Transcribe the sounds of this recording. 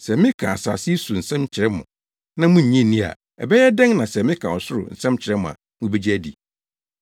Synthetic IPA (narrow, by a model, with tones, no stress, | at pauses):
sɛ˨mɪ̃˦kʰã˨a˨sa̰ː˨sɪ˦su˨n̩˨sɛ̃˦mt͡ɕʰɪ˨ɾɛ˦mʊ̰̃˨ | nã˦mʊ̃˦ɲ̩˨ɲɛ̃˦˨nĩ˦a̰˨ | ɛ̰˨bɛ˦jɛ˦dɛ̃˦ŋnã˨sɛ˨mɪ̃˦kʰã˨ɔ˨sʊ˦ɾʊ̰˨n̩˨sɛ̃˦mt͡ɕʰɪ˨ɾɛ˦mʊ̃˨a̰˨ | mũ˦be˦d͡ʑi˦æ˦dḭ˨